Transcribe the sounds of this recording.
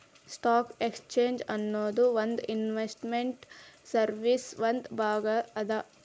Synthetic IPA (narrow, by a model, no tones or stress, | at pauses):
sʈaːkekst͡ʃeːɲd͡ʒɐnːoːd̪uʋɐnd̪inʋesʈmeɳʈsɐɾʋisʋɐnd̪bʱaːɡɐɐd̪ɐ